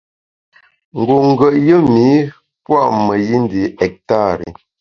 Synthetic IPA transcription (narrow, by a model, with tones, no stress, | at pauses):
ŋ̩˨ɡo˨ŋ̩˦ɡə˨ʔjə˦mi˨˦ | pwa˦ʔmə˨ji˦n˦di˨ɛ˨k̚ta˦˨ɾḭ˨